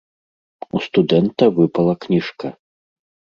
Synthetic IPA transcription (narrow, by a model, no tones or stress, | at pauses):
ust̪ud̪ɛnt̪ɐvɨpɐlˠɐknʲiʂkɐ